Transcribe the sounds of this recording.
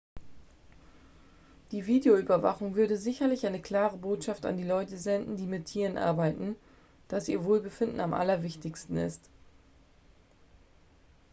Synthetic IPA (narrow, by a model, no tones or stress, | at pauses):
d̥iːviːdeoyːbɐva̰χʊŋvʏɐɾəzɪçɐlɪçʔaɪnəkl̥aːʁəboːtʃafta̰ndiːlɔʏtəzɛndn̩diːmɪtʰiːʁənʔa̰ɐbaɪtn̩ | d̥asiːɐvoːlbəfɪndn̩amʔa̰lɐvɪçtɪçstn̩ɪ̰st